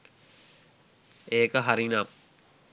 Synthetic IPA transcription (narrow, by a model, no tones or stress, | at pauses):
eːkəɦaɾinam